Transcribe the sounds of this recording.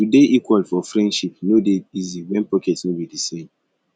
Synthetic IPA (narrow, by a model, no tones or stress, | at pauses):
tudeʔikwalfɔfɹɛ̃ndʃipnodeiziwɛ̃npɔkɛtniwidisẽn